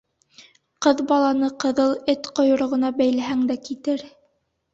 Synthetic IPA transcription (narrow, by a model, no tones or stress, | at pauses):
qɤðbɑlˠɑnɤqɤ̆ðɤlˠɘt̪qŏjŏɾŏʁɤ̆nɑbæjlæɦæŋd̪ækit̪ɘɾ